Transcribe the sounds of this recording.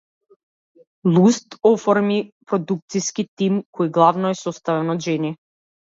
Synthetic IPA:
lˠust̪ɔfɔɾmipɾod̪uk̚t̪siskit̪imkʰoiɡlˠavnɔɛsɔst̪avɛnɔd̪ʒɛni

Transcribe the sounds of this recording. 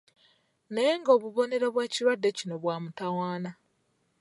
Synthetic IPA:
neŋɡo̞ːβuβo̞ne̞ɾoβweːciɾwadːe̞cino̞βwaːmutawaːna

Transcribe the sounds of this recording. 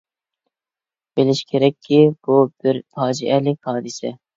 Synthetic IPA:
b̥elɪʃkʲʰeɾɛkʲʰːib̥ub̥ɪɾt̪ʰɑːd͡ʒiʔɛlɪkʲhɑːd̪ɨsɛ

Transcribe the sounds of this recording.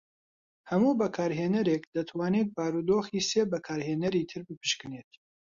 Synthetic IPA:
hɐmuːbɐkʰaːɾɦeːnɐɾekd̪ɐt̪ʰwaːnek̪̚baːɾud̪oːxiːseːbɐkʰaːɾheːnɐɾiːt̪ʰɨɾbɨpʰɨ̥ʃkɨneːt̪̚

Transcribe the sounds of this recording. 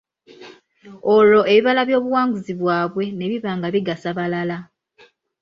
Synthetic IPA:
o̞lo̞e̞βiβalaβjo̞ːβuwaːŋɡuziβwaːβwe̞ne̞βiβaːŋɡaβiɡasaβalala

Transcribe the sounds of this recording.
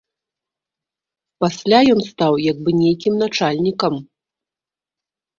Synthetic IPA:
pasʲlʲajɔnst̪awjaɡ̚bɨnʲejkʲimnat͡ʂalʲnʲikɐm

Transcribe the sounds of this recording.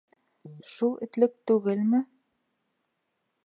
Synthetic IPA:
ʃulˠɘ̆t̪lɘk̚t̪ʉɡɘlmɘ

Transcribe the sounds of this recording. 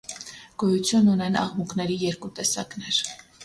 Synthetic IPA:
ɡ̥ɔjut͡sʰjunːunɛnɑ̰ʁmukʰnɛɾijɛɾkut̪ɛsɑknɛɾ

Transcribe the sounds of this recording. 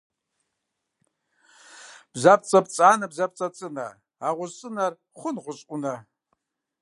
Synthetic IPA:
b̥zap̚t͡sʼɐpʼt͡sʼaːnɐbzɐp̚t͡sʼɐt͡sʼɨnɐ̰ | aːʁʷʊzɕʼɨnɐr | χʷʊnʁʷʊɕʼʷʊnɐ

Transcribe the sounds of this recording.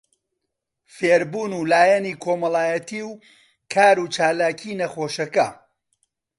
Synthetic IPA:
feːɾbuːnuːlaːjɐniːkʰoːmɐlˠaːjɐt̪iːw | kʰaːɾuːt͡ʃaːlaːcʰiːnɐχoːʃɐkɐ

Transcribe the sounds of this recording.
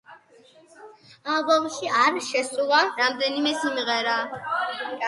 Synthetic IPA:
alˠbɔmʃiaɾʃɛsʼulˠaɾamd̪ɛnimɛsimiʁɛɾa

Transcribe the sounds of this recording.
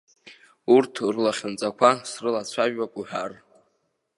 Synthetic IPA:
urtʰrlaχʲɪnt͡sʼakʷʰasrɨlat͡ɕʷʰaʒᶣakʷʼuħar

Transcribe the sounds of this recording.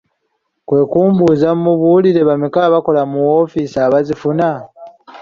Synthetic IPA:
kwe̞ːkuːmbuːzammuβuliɾe̞βamikaβako̞lamuofisaːβazifuna

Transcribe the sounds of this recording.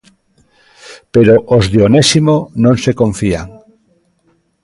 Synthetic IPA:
peɾoʔozðeonesimonõŋsekõɱfiaŋ

